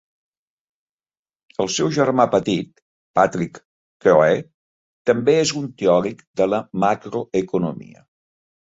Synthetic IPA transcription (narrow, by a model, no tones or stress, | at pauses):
əlˠsɛwʒəɾmapət̪it̪̚ | pat̪ɾikː | oe | t̪əmbeezunt̪eɔɾikd̪ələmakɾoəkunṵmḭə̰